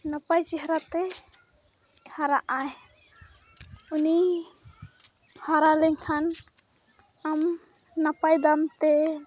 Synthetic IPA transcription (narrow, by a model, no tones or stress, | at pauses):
napajt͡ʃɛɦɾat̪ɛ | haɾaʔaj | uni | haɾalɛŋkʰan | am | napajd̪amt̪ɛ